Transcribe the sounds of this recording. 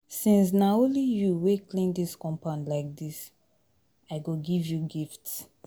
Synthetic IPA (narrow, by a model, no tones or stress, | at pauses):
sĩns̬naolijuweklĩndiskɔ̃mpãʊ̃ndlaɪk̚dis | aɪɡoɡivjuɡifts